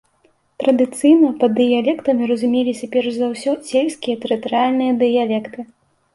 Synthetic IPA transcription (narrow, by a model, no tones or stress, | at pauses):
t̪ɾɐd̪ɨt̪sɨjnɐpɐd̪ːɨjalʲɛkt̪ɐmʲiɾɐzumʲelʲit͡sʲɛpʲɛrzawsʲɔsʲelʲsʲkʲijɐt̪ɛɾɨt̪ɐɾɨalʲnɨjɐd̪ɨjalʲɛkt̪ɨ